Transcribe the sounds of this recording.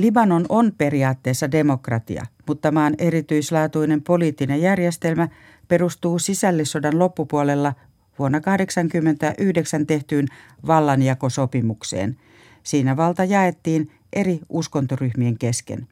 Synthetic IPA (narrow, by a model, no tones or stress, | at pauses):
libɑnononpe̞riɑːt̪ːeːsːɑdemo̞krɑt̪ḭɑ̰mut̪ːɑmɑːnerit̪yislɑːt̪uinempoliːt̪ːinejærjest̪elmæ | pe̞rust̪uːsisælːisːodɑnlo̞pːupuolelːɑ | ʋuonːɑkɑhdeksɑŋkymːent̪æʔyhdeksænt̪eht̪yːnʋɑlːɑnjɑkosopimuksḛːn | siːnæʋɑlt̪ɑjɑet̪ːiːn | ʔe̞riʔuskont̪oryhmieŋkeskḛn